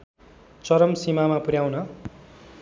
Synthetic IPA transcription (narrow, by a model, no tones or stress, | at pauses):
t͡sʌɾʌmsimamapuɾjawnʌ